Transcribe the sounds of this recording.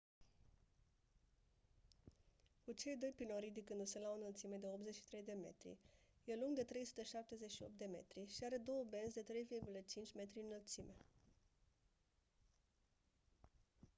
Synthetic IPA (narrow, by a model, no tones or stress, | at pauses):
kut͡ʃe̞jd̪o̞jpiloɾid̪ikɨnd̪uselaonəlt̪sime̞d̪eop̚t̪ze̞ʃi̥t̪ɾe̞jd̪e̞me̞̰t̪ɾḭje̞luŋɡd̪e̞t̪ɾe̞jsu̥t̪əʃap̚t̪e̞zet͡ʃʃio̞̰p̚t̪d̪e̞me̞̰t̪ɾiʃiaɾe̞d̪o̞wəbe̞nzd̪e̞t̪ɾe̞jvirɡulət͡ʃint͡ʃʲme̞t̪ɾiɨnəlt̪sime̞